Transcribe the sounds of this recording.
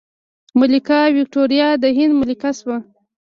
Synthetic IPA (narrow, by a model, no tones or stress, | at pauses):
mʊlikɑwik̚ʈoɾjɑd̪əɦɪnd̪mʊlikaswa